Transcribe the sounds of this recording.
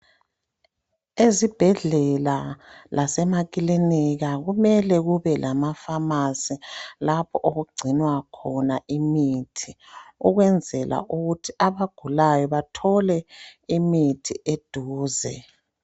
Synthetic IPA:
ezib̥ʱɛɮɛlalʔasɛmakʼiliniɣaɣumɛlɛɣuβɛlʔamafamasilapʰɔʔoɣuɡ͡ǀʱinwakʰɔnaʔimiːtʰi | uɣwɛnd͡zʱɛlʔa̰ʔuɣutʰiaβaɡ̥ʱulajɔβatʰɔlɛimitʰiʔed̥ʱuːzɛ

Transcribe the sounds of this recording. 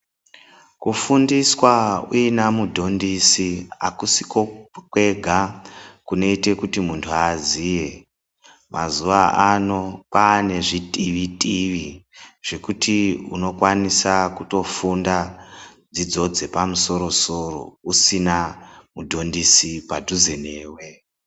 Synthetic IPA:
kufundiswauinamudʱo̞ndisia̰kusikokwe̞ɡʱakune̞ite̞kutimuntʰuazije̞ | mʔa̰zuʋaʔano̞paːne̞ʐitʼiʋitʼiʋiʐ̥e̞kutiṵno̞kwanisakuto̞funda | d͡zid͡zo̞d͡ze̞pamuso̞ɾo̞so̞ro̞̰usinamudʱo̞ndisipadʱuze̞neːwe̞

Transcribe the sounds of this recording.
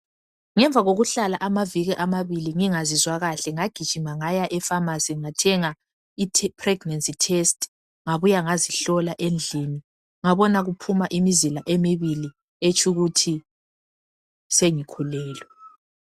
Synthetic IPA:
ŋɛɱvʱaɣoɣuɬalaʔamaviɣɛʔamaβiliŋiŋazizwaɣaɬɛŋaɡ̥ʱid̥ʒ̥ʱimaŋajaʔɛfamasiŋatʰɛŋa | itʰpʰrɛɡnansitʰɛst | ŋaβujaŋaziɬɔlaʔend͡ɮʱini | ŋaβɔnaɣupʰumaʔimizilaʔemiβili | et͡ʃʰʼuɣutʰi | seŋikʰulɛːlwɛ

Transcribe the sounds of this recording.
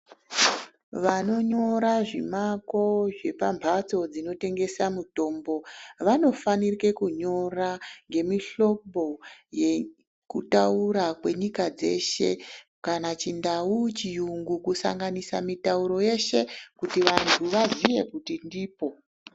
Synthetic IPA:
ʋano̞ɲo̞ɾaʐimako̞ʐe̞pambʱat͡so̞d͡zino̞te̞ŋɡe̞samuto̞ːmbo̞ʋano̞fanirike̞kuɲo̞raŋɡe̞miɬo̞kbo̞je | kutauɾakwe̞ɲikad͡ze̞̰ʃe̞̰ | kanat͡ʃindaut͡ʃijuŋɡukusa̰ŋɡanisamitauɾo̞je̞ʃe̞kutiʋantʰuʋazije̞kutindiːpo̞

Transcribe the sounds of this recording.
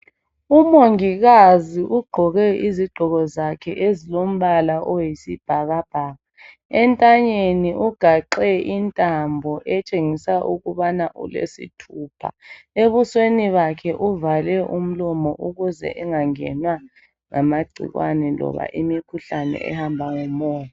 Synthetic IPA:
umoŋiɣaziʔuɡ͡ǃʱɔɣɛiziɡ͡ǃʱɔɣɔzakʰɛʔezilom̩βalaʔɔjisib̥ʱaɣab̥ʱaːɣa | ɛntʼaɲeniʔuɡ̥ʱaǃɛintʼambʱɔʔɛt͡ʃʼeŋisaʔuɣuβanaʔṵlḛsḭtʰuːpʰa̰eβusweniβakʰɛʔuvalɛʔum̩lɔmɔʔuɣuzɛ̰ʔɛŋaŋɛ̰nwa | ŋamaɡ͡ǀʱḭɣwa̰nɛlɔ̰βa̰ʔimikʰuɬanɛ̰ʔɛ̰hambʱaŋumɔːj

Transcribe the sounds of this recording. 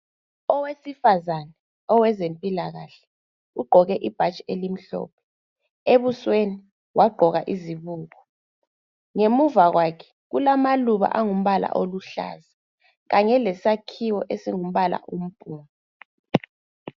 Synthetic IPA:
ɔwesifazanɛ | ɔwɛzempʼilaɣaɬɛ̥ | uɡ͡ǃʱɔɣɛʔib̥ʱat͡ʃʼielim̩ɬɔ̰ːp̚ʰɛ̥ | eβusweni | waɡ͡ǃʱɔɣa̰ʔiziβuːɣɔ | ŋemuvaɣwakʰɛ̥ | ɣulamaluβa̰ʔaŋum̩βala̰ʔoluɬa̰ːza | ɣaɲɛlɛsakʰiwɔʔesiŋum̩βala̰ʔum̩b̥ʱʼuːmɔ

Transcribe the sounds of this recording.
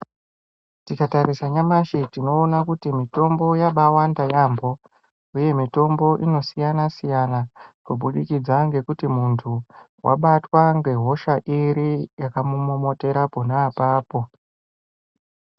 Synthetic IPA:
tikataɾisaɲamaʃitino̞ːnakutimito̞mbo̞jaɓawandajambo̞ | uje̞mito̞mbo̞ʔino̞sijanasijanakoɓuɗikid͡zaŋɡe̞kutimuntʰu | wʔa̰ɓatwaŋɡe̞ɦo̞ʃaʔiɾijakamumo̞mo̞te̞ɾaponaːpaːpo̞

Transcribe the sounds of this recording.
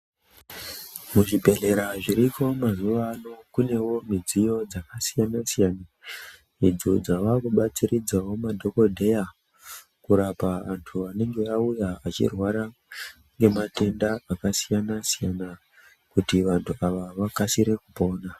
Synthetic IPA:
muʐibʱe̞ɮe̞ɾaʐiɾiko̞mazuʋano̞kune̞wo̞mid͡zijo̞d͡zakasijanasijaːna | id͡zod͡zaʋakuɓat͡siɾid͡zawo̞madʱo̞ko̞dʱe̞ja | kuɾapaʋantʰuane̞ŋɡe̞aujaat͡ʃḭrwaɾa | ŋɡe̞mate̞ndaakasijanasijana | kutiʋantʰuaʋaʋakasiɾe̞kupo̞ːna

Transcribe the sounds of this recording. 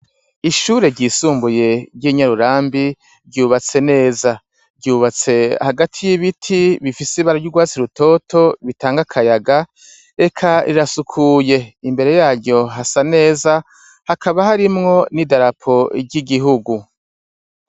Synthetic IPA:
iʃuːɾe̞ɟiːsuːmbuje̞ɟiːɲaɾuɾaːmbi | bɟuːβat͡se̞ne̞ːza | bɟuːβat͡se̞haɡatʰijiβitʰiβifisiβaɾaɟuɡwaːt͡siɾuto̞ːtʰo̞βitaːŋɡakʰajaɡa | e̞kʰaḭɾasukʰuːje̞imbe̞ɾe̞jaːɾɟo̞ɦasane̞ːza | hakʰaβahaɾimŋo̞nidaɾapʰo̞ɟiɡiɦuɡu

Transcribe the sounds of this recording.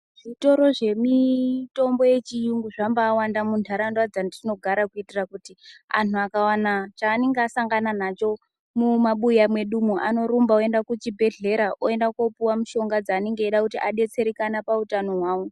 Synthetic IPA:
ʐ̥ito̞ɾo̞ʐe̞mito̞mbo̞je̞t͡ʃijuŋɡuʐambaːwandamundʰʱaɾandwad͡zandino̞ɡʱaɾakuitirakutia̰nuakawanat͡ʃaːneŋɡasaŋɡananat͡ʃo̞ | mumaɓujamwe̞ɗumuʔano̞ɾumbaoe̞ndakut͡ʃibʱe̞ɮe̞ɾaʔoe̞ndakopuwamuʃo̞ŋɡad͡zaːneŋɡeːɗakutiʔaɗe̞t͡se̞ɾekanapautano̞ɦwaːwo̞

